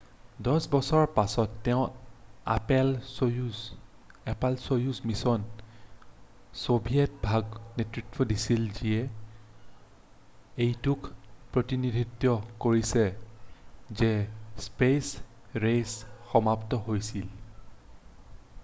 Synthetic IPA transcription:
dɔsbɔsɔɹpasɔtːɛʊ̃a̰pɛlju | ɛpalsojusmisɔn | sobʱijɛt̚bʱaɡnetɹitwɔdisilzijɛ | ejtukpɹotinidʱitːjɔkoɹisɛ | zɛspes | ɹesxɔmaptɔɦojsil

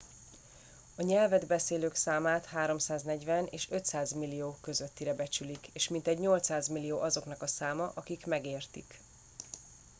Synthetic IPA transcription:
ɒɲɛlvɛd̪bɛseːløːksaːmaːt̪haːɾo̞msaːznɛɟvɛnḛːʃø̞t̪saːzmilːijoːkø̞zøt̪ːiɾɛbɛt͡ʃylikeːʃmint̪ɛɟɲo̞lt̪saːzmilːijoːʔɒzo̞knɒkɒsaːmɒʔɒkikmɛɡeːrt̪ik

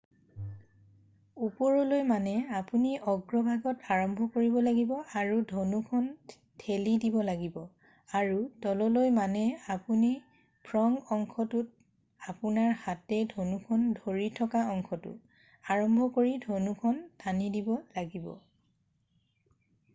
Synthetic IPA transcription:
upɔɹɔlojmanɛapuniʔɔɡɹɔbʱaɡɔtaɹɔmbʱɔkoɹibɔlaɡibɔaɹudʱonukʰɔn | tʰelidibɔlaɡibɔ | aɹudɔlɔlojmanɛapuni | pʰɹɔŋɔŋkʰɔtut̚ | apunaɹhatɛdʱonukʰɔndʱoɹitʰɔkaɔŋkʰɔtʊ̰ | aɹɔmbʱɔkoɹidʱonukʰɔntʰanidibɔlaɡibɔ̰

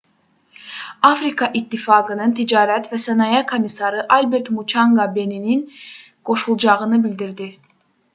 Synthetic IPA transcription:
afɾikʰaʔit̪ʰːifaːɡɯnɯnt̪ʰid͡ʒaːɾɛt̪vɛsenajakʰomisaɾɯʔalʲbɛɾt̪mut͡ʃʰaŋɡabe̞ninin | kʰo̞ʃulˠd͡ʒaɣɯnɯbilʲd̪iɾd̪i

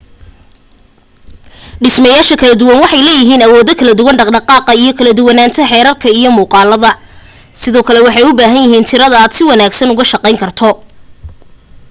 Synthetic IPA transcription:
ɖɪsmɐjaːʃɐkʰɐlɐd̪ʊwɐnwɑħɑjlɛːjɪɦiːnɐwɔːðɔkʰɐlɐd̪ʊwɐnɖɑqɖɑqɑːqɑijɞkʰɐlɐd̪ʊwɑnaːnt̪ʰɐħɛːɾɐrkʰɐijɔmuːqɑːlɐðɐ | sɪðɔːkʰɐlɛwɑħɑjʊbaːɦɐnjɪɦiːnt̪ʰɪɾɐðɐaːd̪sɪwɑnaːɡsɐnʊɣɐʃɐqɛjŋkʰɐrt̪ʰɔ

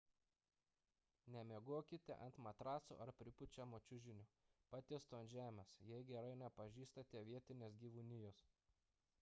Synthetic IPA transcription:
nʲɛmʲeɛɡoɔkʲɪt̪ʲɛ̰ʔɐnt̪mɐt̪ɾɑːsṵʔɐɾpʲɾʲɪpʊt͡ʃʲɛmoːt͡ʃʲʊʒʲɪnʲʊpɑːt̪ʲɪst̪oːnʲʒʲæːmʲɛsjɛɪɡʲɛɾɐɪnʲɛpɐʒʲiːst̪ɐt̪ʲɛːʋʲiɛt̪ʲɪnʲeːsɡʲiːʋunʲɪjoːs

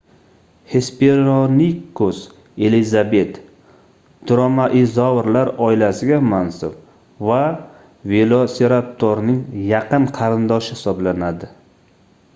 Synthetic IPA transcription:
he̞speɾonikːos | e̞lizabe̞t̪ | d̪̥ɾomaʔɪzɒvɾlaɾɒɪlasɪɡʲamansʊɾ | va | velˠoseɾat̪ʰːoɾnɪŋjɑqɨnqʰɑɾɪnd̪ɒʃɪhɪ̥sɒblanad̪ɪ

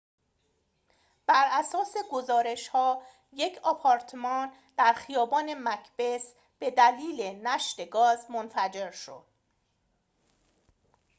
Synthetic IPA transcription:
b̥æɾʔæsɒːse̞ɡo̞zɒːɾe̞ʃhɒː | je̞cʰɒpʰɒːɾt̪ʰemɒːn | d̪̥æɾxijɒːbɒːne̞mæcʰb̥e̞s | b̥e̞d̪æliːlenæʃt̪eɡɒːzmonfæd͡ʒe̞ɾʃo̞̰d̪̥

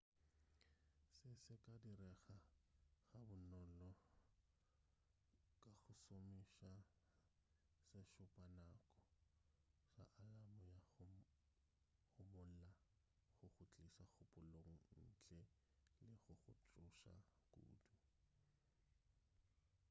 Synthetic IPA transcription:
sɪsɪkʼadirɛχaɣabʊnɔlɔ | kʼaɣʊsomiʃa | sɪʃʊpʼanakʼɔ | sa̰ʔalamʊja | χʊmʊl̩la | χʊχʊt͡ɬʼisaχʊpʼʊloŋ̩n̩t͡ɬʼɛ | lɪχʊχʊt͡ɬʼʊʃa̰kʼṵːdu

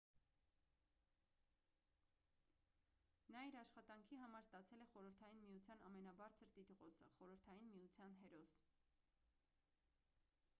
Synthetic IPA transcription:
nɑiɾɑʃχɑt̪ɑŋkʰiɦɑmɑɾst̪ɑt͡sʰɛlɛχɔɾəɾt̪ʰɑjinmijut͡sʰjɑnɑmɛnɑbɑɾt͡sʰəɾt̪it̪ʁɔsʰə̰χɔɾəɾt̪ʰɑjinmiut͡sʰjɑnɦɛɾɔs

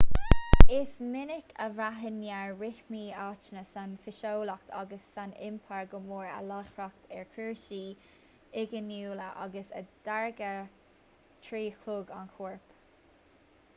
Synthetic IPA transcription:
ɪsmɪnɪkʰəvɾaɦənjaɹɹɪxmiːaːt͡ʃnəsanfɪʃowlɔk̚t̪ʰa̰ɡəsːanɪ̰mpʰaɹɡəmoːɹə̰laxɹɔkt̪ʰɛɹkʰiɹʃiː | ɪɡənuːləʔɑ̰ɡəsə̰d̪̥aɹɡə | tʰɹiːkʰluːɡa̰nkʰuɹp

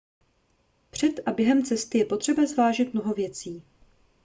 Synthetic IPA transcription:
pr̝̥ɛt̪ʔabjɛɦɛmt͡sɛst̪ɪjɛpo̞t̪r̝̥ɛbazvaːʒɪt̪̚mnoɦo̞vjɛt͡siː

